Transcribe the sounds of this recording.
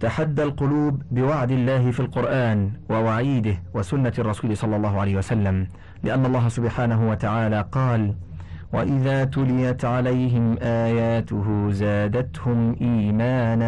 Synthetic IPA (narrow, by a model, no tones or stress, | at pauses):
t̪aħad̪ːalqʊluːbːɪwaʕd̪ɪlːaːhɪfiːlqʊɾʔaːnwawaʕiːd̪ɪhwasʊnːarˤːɑsuːlɪsˤɑlːɑlˤːɑːɦʊʕalajhɪwasalːam | lɪʔanːɑlˤːɑːɦasʊbħaːnaɦʊwat̪aʕaːlaːqɑːl | wa̰ʔɪðaːt̪ʊlɪjat̪ʕalajɦɪmʔaːjaːt̪ʊɦʊzaːd̪at̪hʊmʔiːmaːna